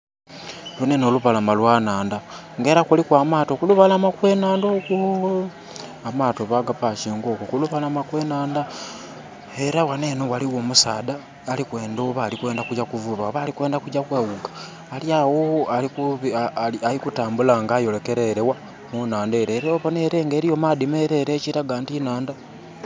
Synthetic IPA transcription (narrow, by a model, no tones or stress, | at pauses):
lunenoluβalamalwanaːnda | ŋɡeɾakulikwaːmaːto̞kuluβalamakwe̞naːndokwo | amatoβaɡapaʃiŋɡo̞kokuluβalamakwenaːnda | eɾawanenowaliwoːmusaːdaː | likwe̞ːndoβaːlikwe̞ːndakuɟakuvuβaβalikwe̞ːndakuɟakweːwuɡḁː | ljawoalikuβialikutaːmbulaːŋɡaːjo̞leke̞ɾeɾewa | munaːndeɾeɾeoβoneɾeŋɡeːɾijomadimeɾeɾeːciɾaɡaːntinaːnda